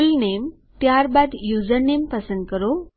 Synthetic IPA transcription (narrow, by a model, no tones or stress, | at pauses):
lnem | t̪jaɾbad̪jud͡zəɾnempəsənd̪̚kəɾo